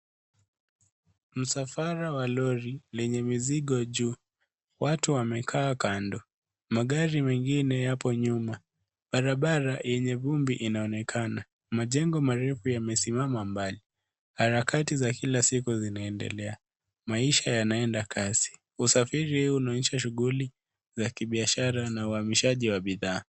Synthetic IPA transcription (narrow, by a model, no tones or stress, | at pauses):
m̩safaɾawalɔɾilɛɲɛmiziɠɔʄuː | watuwamɛkʰaːkandɔ | maɠaɾimɛŋɡinɛjapɔɲuma | ɓaɾaɓaɾajɛɲɛvumbiʔinaɔnɛkʰana | maʄɛŋɡɔmaɾɛfujamɛsimamambali | haɾakatizakilasikuzinaɛndɛ̰lɛa | maiʃajanaɛndakʰazi̥ | usafiɾihunaɲɛʃaʃ̬uɣuli | zakiɓiaʃaɾanauhamiʃaʄiwaɓiðaː